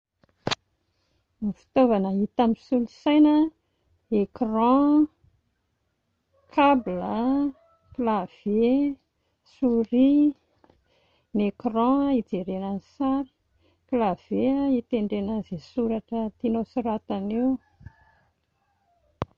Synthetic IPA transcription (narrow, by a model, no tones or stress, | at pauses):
nifi̥t̪ovanəit̪amisulusajnə | ekrɑ̃ | kʰablə | klav̥e | suɾi | nekrɑ̃id͡zeɾenənsaɾi̥ | klav̥eəit̪eɳɖ͡ʐenəzesuɾaʈ͡ʂət̪inosuɾat̪anew